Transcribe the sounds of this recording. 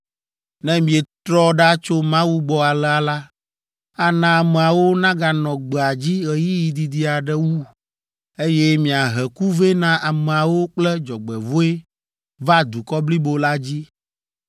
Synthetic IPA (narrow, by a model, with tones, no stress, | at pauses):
nɛ̃˦mĩ˨ɛ˨t̪ɾɔ˦ɖa˦t͡ʃo˦mã˦wu˦ɡ͡bɔ˨˦a˨lɛ˦a˨la˦ | a˨nã˨a˨mɛ˨a˨wo˦nã˦ɡa˨nɔ̃˨ɡ͡bɛ˨a˨d͡ʑi˦ɣɛ˨ji˦ji˨d̪i˨d̪i˦a˨ɖɛ˦wu˦ | e˦jɛ˦mĩ˨a˨ɦɛ˨ku˦ve˦nã˦ʔa˨mɛ˨a˨wo˦k͡plɛ˦d͡ʒɔ˨ɡ͡bɛ˨vo˦e˦ | va˦d̪u˨kɔ˦bli˦bo˦la˦d͡ʑi˦